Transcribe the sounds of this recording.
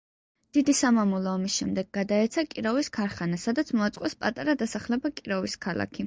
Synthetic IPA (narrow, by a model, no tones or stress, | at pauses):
d̪̥id̪isamamulˠɔːmisʃɛmd̪ɛɡ̚ːad̪aɛt̪sʰakʼiɾɔviskʰaɾχanasad̪at̪sʰmɔat̪sʼqʼɔspʼat̪ʼaɾad̪asaχlɛbakʼiɾɔviskʰala̰kʰi